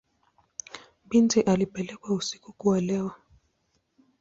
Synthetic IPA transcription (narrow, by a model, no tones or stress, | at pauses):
bintiʔalipɛlɛkwausi̥kukualɛwa